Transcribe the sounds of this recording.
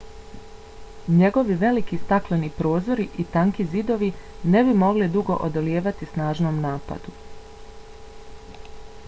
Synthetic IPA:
ɲe̞ɡo̞ʋiʋe̞likist̪aklenipɾo̞ːzo̞ɾiʔit̪aŋkizid̪o̞ʋine̞bimo̞ɡlid̪uɡo̞̰ʔod̪oljeːʋat̪isnaːʒnoːmnaːpa̰d̪u

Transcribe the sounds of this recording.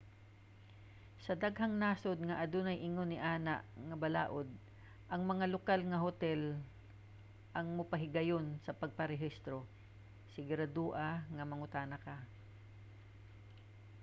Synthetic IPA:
sɐd̪aɡɦɐŋnaːsod̪̚ŋɐʔɐd̪onɐjʔɪŋonɪʔaːnaʔŋɐbɐlaːʔod̪̚ | ʔɐŋmɐŋalokalŋɐɦot̪ɛl | ʔɐŋmʊpɐɦɪɡɐjonsɐpɐɡ̚pɐɾɛɦist̪ɾo | sɪɡɾɐd̪uːʔɐŋɐmɐŋʊt̪aːnɐka

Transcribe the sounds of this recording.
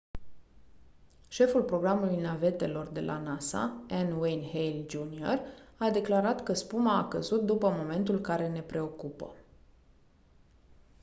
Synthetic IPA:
ʃe̞fulpɾo̞ɡɾamulujnave̞t̪e̞lo̞rd̪e̞lʔa̰nasa̰ɛnwejnhejld͡ʒunio̞rad̪e̞klaɾat̪kəspumaːkəzut̪̚d̪upəmo̞me̞nt̪ulkaɾe̞ne̞pɾe̞o̞kupə̰

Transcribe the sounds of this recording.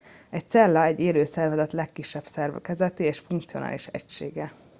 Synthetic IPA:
ɛc̚t̪sɛlːɒɛɟːeːløːsɛrvɛzɛt̪lɛkːiʃːɛbsɛrvɛ̰kɛzɛt̪iːeːʃfuŋkt̪sio̞na̰ːliʃɛ̰cʃeːɡɛ

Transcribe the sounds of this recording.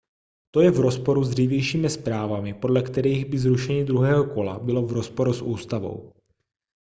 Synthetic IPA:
t̪o̞jɛvɾo̞spo̞ɾuzd̪riːvjɛjʃiːmɪspɾaːvamɪpo̞dlɛkt̪ɛɾiɣbɪzɾuʃɛɲɪd̪ɾuɦɛːɦoko̞la̰bɪlo̞vɾo̞spo̞ɾusʔuːst̪avo̞̰w

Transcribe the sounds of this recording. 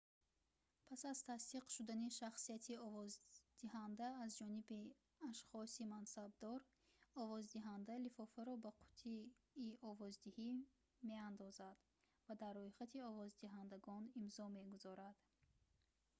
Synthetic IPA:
pʰasazt̪ʰast̪iqʃud̪aniʃaχsiat̪ʰiɔvɔzd̪̥ihand̪aːzd͡ʒɔnibi | aʃχɔsimansabd̪ɔɾ | ɔvɔzd̪iɦand̪alifɔfaɾɔbaqʰu̥t̪ʰiːʔɔvɔzd̪ihi | me̞and̪ɔzad̪̥ | vad̪arːɔjχat̪ʰiɔvɔzd̪iɦand̪aɡɔnimzɔmeɡuzɔɾad̪̥

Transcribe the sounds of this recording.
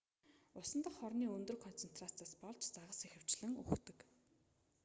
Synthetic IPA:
ʊsə̆nt̪ə̆χχɔrniːɵnt̪ɵ̆rkʰɔn̥t͡sen̥t̪rat͡saːspɔɮt͡ɕt͡saʁə̆sexɘ̆w̥t͡ɕɮɘ̆ŋṵxt̪ɘ̆k

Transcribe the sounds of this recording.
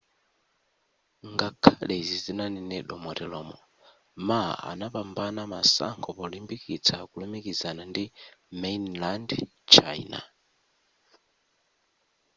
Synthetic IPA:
ŋɡakʰalɛzizinanɛnɛɗɔmɔtɛlɔmɔ | maa̰napambanamasa̰ŋkʰɔpɔlimbikit͡sʰakulɔmikizanandimɛnland | t͡ʃʰa̰ina̰

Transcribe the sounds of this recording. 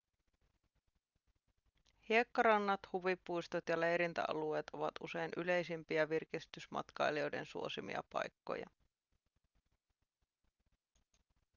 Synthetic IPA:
hiekːɑɾɑnːɑt̪huʋipːujst̪ot̪jɑlejɾint̪æ̰ʔɑ̰lue̞ːt̪o̞̰ʋɑt̪ṵse̞jnʔyle̞jsimpiæʋirkist̪ysmɑ̰t̪kɑjlio̞jde̞̰nsṵo̞simḭɑ̰pɑ̰jkːo̰jɑ̰

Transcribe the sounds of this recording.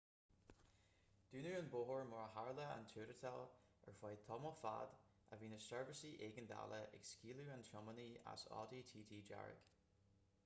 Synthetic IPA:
d̥ʉːnəənboɦəɹmɔɹəhaɹləa̰ntʰʉːɾət̪ʰɛl | ɛ̰ɹfwajt̪ʰɔməfa̰d | ʔəviːnəsɛɹvəsiʔeːɡənda̰ləʔɪ̰ɡskiːluantʰɹɔmənia̰sɔ̰ːdiːtʰiːtʰiːd͡ʒa̰ɹɪ̰k

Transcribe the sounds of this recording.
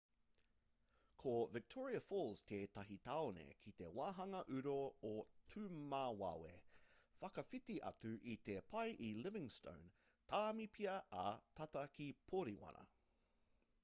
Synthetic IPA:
kʰovɪk̚tʰɔɹiɐfolz̥t̪ʰet̪ɐɦit̪aonḛkʰit̪e̞̰waːɦɐŋɐʔʉɾootʰʉːmaːwa̰ːwḛfɐkɐfitiʔɐ̰tʉʔit̪epʰɐjʔilɪvɪ̃ŋstõ̰w̃n | t̪ʰaːmipʰiɐɐt̪ʰɐtɐkʰipʰoɾiwɐ̰nɐ̰

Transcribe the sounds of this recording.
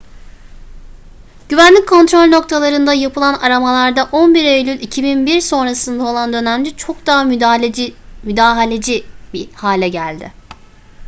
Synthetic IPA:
ɟ̥yvænlʲic̚kʰo̞nt̪ɾo̞lʲno̞k̚t̪ʰalˠaɾɯnd̪ajapʰɯlˠanaɾamalˠaɾd̪aʔo̞nbiɾejlʲylʲicʰibinbiɾso̞nɾasɯnd̪ao̞lˠand̪ø̞næmd͡ʒit͡ʃʰo̞k̚d̪aɦam | myd̪aːɦalʲed͡ʒibihaːlʲɛɟælʲd̪ɪ̰

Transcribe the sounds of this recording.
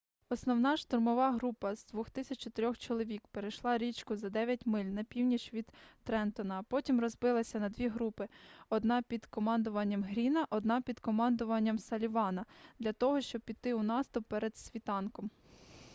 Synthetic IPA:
ɔsnɔwnɑʃt̪ʊrmɔʋɑɦɾupɐzd̪ʋɔxt̪ɪsʲɐt͡ʃt͡ʃɔt̪eɾʲɔxt͡ʃɔlˠɔʋʲikpeɾejʃlˠɑɾʲit͡ʃkʊzɐd̪ɛʋʲjɐtʲmɪlʲnɐpʲiwnʲit͡ʃʋʲid̪t̪ɾɛnt̪ɔnɐːpɔtʲimrɔzbɪlˠɐsʲɐnɐd̪ʲʋʲiɦɾupɪɔd̪nɑpʲid̪kɔmɑnd̪ʊʋɐnʲːɐmɦɾʲinɐʔɔd̪nɑpʲid̪kɔmɑnd̪ʊʋɐnʲːɐmsɐlʲiʋɑnɐd̪lʲɐt̪ɔɦɔʃt͡ʃɔb̚pʲit̪ːɪunɑst̪ʊpːɛɾed̪̥sʲʋʲit̪ɑnkɔm

